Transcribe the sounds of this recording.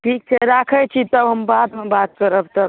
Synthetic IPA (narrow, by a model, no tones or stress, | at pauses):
ʈʰik̚t͡ʃʰɛɾakʰət͡ʃʰit̪əbɦəmbad̪mebat̪̚kəɾəbt̪əb